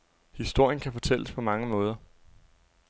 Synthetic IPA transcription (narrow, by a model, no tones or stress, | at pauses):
hisd̥o̝ɐ̰jənkʰæfɒ̽t͡sʰel̰əspʰɒ̽mɑ̈ŋəmɔ̽ːð̞ˠɐ